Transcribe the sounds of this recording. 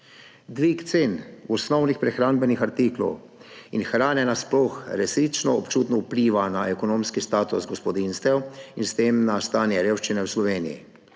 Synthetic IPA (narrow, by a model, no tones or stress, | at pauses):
d̪ʋikt̪seːnɔsnɔwnixpɾɛxɾaːnbɛnixaɾt̪iklɔ̰w | inxɾaːnɛnasplɔxɾɛsɾit͡ʃnɔɔpt͡ʃuːt̪nɔwpliːʋanaɛkɔnoːmskist̪aːt̪usɡɔspɔd̪inst̪ʋɛwinst̪eːmnast̪aːnjɛɾeːwʃt͡ʃinɛwslɔʋeːnḭjḭ